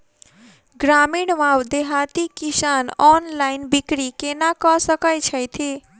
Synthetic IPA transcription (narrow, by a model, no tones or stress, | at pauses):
ɡɾamiɽʋawd̪eɦat̪ikisanɔnlaɪnbikɾikenakɔsəkəjt͡ʃʰəjt̪ʰi